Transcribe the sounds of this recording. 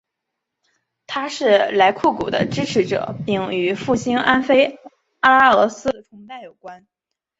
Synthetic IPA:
t̪ʰa˥ʂɻ̩˥˩la˧˥ɪkʰu˥˩kṵ˨˩d̪ə̰˦ʈ͡ʂɻ̩˥ʈ͡ʂʰɻ̩˧˥ʈ͡ʂɤ̰˨˩˦pi˥˩ŋy˨˧˩fu˥˩ɕi˥ŋʔa˥nfe˥ɪ | a˥la˥ɤ˧˥sɹ̩˥ʈ͡ʂʰʊ˧˥ŋt͡sa˥˩ɪjo˨˩ʊkwa˥n

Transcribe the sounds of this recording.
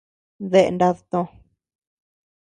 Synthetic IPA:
ðe˦ʔḛ˧nda˧ðt̪õ˧

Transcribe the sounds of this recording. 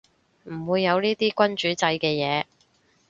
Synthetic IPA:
m̩˨˩wuː˨˧jːɐ˨˧wniː˥t̪iː˥kʷɐ˥nt͡ʃyː˨˥t͡sɐ˧jkɛː˧jɛː˨˧

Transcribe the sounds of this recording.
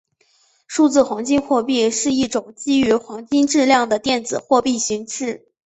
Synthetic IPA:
ʂu˥˧t͡sɹ̩˥˩xwɑ˧˥ŋt͡ɕi˥nxwɔ˥˧pi˥˧ʂɻ̩˥˧i˥˩ʈ͡ʂʊ˨˩ŋt͡ɕi˥y˧˥xwɑ˧˥ŋt͡ɕi˥nʈ͡ʂɻ̩˥˧ljɑ˥˩ŋd̪ə˩t̪jɛ˥˩nd͡zɹ̩˨˩xwɔ˥˧pi˥˩ɕi˧˥ŋʂɻ̩˥˩

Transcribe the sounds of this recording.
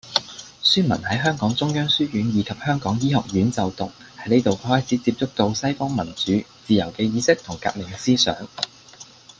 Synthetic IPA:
syː˥mɐ˨˩nhɐ˨˥jɦœː˥ŋkɔː˨˥ŋt͡sʊ˥ŋjœː˥ŋsyː˥jyː˨˥njiː˨˧kʰɐ˨p̚hœː˥ŋkɔː˨˥ŋjiː˥hɔ̰˨k̚jyː˨˥nt͡sɐ˨wt̪ʊ˨k̚ | hɐ˨˥jne˥jt̪o˨whɔː˥jt͡sʰiː˨˥t͡siː˧p̚t͡sʊ˥k̚t̪o˧wsɐ˥jfɔː˥ŋmɐ˨˩nt͡syː˨˥t͡siː˨jɐ˨˩wkɛː˧jiː˨˧sɪ˥k̚t̪ʰʊ˨˩ŋka̰ː˧k̚mɪ˨˩ŋsiː˥sœ̰ː˨˥ŋ

